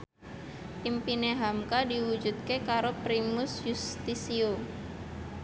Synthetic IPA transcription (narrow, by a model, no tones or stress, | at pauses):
ʔimpineɦamkadiwud͡ʒut̪̚kekaɾopɾimʊsjust̪isio